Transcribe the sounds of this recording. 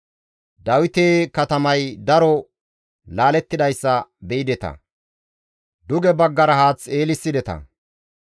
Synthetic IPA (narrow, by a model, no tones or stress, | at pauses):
d̪ɐwɪt̪eːkɐt̪ɐmɐjd̪ɐɾɔ | laːlɛt̪ːɪd̪ɐjsːɐbɛɪd̪ɛt̪ɐ̰ | d̪ʊɡɛbɐɡːɐɾɐhaːt͡sːeːlɪsːɪd̪ɛt̪ɐ̰